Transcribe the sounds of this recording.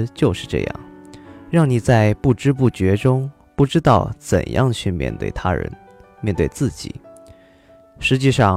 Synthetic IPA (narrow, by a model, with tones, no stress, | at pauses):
t͡ɕjo˥˧ʊʂɻ̩˥˧ʈ͡ʂɤ̰˥˧jɑ̰˥˩ŋɻɑ˥˩ŋni˨˩t͡sa˥˧ɪpu˥˩ʈ͡ʂɻ̩˥p̬u˥˩t͡ɕɥɛ˧˥ʈ͡ʂʊ˥ŋ | pu˥˩ʈ͡ʂɻ̩˥t̪ɑ˥˩ʊt͡sə̰˨˩njʔɑ̰˥˩ŋt͡ɕʰy˥˧mjɛ̰˥˩nt̪wḛ˥˩ɪt̪ʰa̰˥ɻə̰˧˥n | mjɛ˥˧nt̪we˥˧ɪt͡sɹ̩˥˩t͡ɕḭ˨˩˦ | ʂɻ̩˧˥t͡ɕi˥˧ʂɑ˥˩